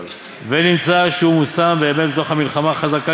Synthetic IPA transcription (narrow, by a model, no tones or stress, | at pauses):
venimt͡saʃeumusambe̞ːme̞t̪̚bet̪oχhamilχamaχazaka